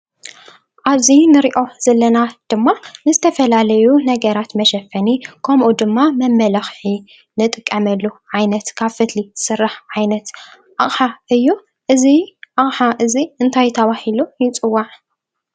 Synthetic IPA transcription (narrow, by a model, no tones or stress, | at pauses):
ʔaβzinɨɾiʔo̞z̥ɐlːɐnad̪̥ɨmːanɨzɨt̪ʰɐfɐlalɐjunɐɡɐɾat̪mɐʃɐfɐnikʰɐmʔud̪ɨmːamɐmːɐlɐxħi | nɨt̪ʼɨkʼːɐmɐlːuʕajnɐt̪kʰaβfɨt̪lisɨrːaħʕajnɐt̪ | ʔaχʼħaʔɨjːu | ʔɨziʔaχʼħaʔɨziɨnt̪ʰajt̪ʰɐβahilujɪt͡sʼɨwːaʕ